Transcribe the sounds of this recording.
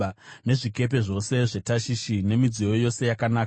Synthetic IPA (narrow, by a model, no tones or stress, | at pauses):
ne̞ʐike̞p̬e̞ʐo̞se̞ʐe̞taʃiʃine̞mid͡zijo̞jo̞se̞jakanaː